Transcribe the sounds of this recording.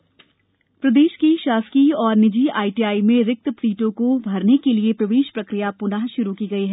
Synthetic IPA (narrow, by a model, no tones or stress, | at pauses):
pɾɐd̪eːʃkiʃaːskiɔːɾnɪd͡ʒiaːiʈiːaːimẽɾɪk̚t̪pɾiːʈõkobʱɐɾnekeliepɾɐʋeːʃpɾɐkɾɪjapʊnaːɦʃʊɾukiːɡɐiɦɛː